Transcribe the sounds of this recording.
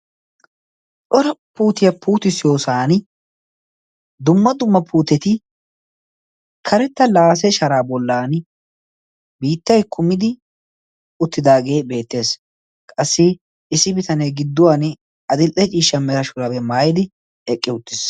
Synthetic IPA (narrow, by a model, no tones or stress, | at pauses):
sʼɔɾɐpuːt̪ɪjɐpuːt̪ɪsjo̞ːsaːn | d̪ʊmːɐd̪ʊmːɐpʰuːt̪ɛt̪ɪ | kʰɐɾɛt̪ːɐlaːs̬ɛʃɐɾaːbɔlːaːn | biːt̪ːɐjkʰʊmːɪd̪ɪ | ʊt̪ːɪd̪aːɡe̞ːbe̞ːt̪ːe̞ːs | kʼɐsːɪ | sːɪbɪt̪ɐnɛjɡɪd̪ːʊwan | ɐd̪ɪlʔɛt͡ʃʼiːʃːɐmɛɾɐʃʊɾɐbɛmaːjɪd̪ɪ | ɛkʼːɪʊt̪ːɪs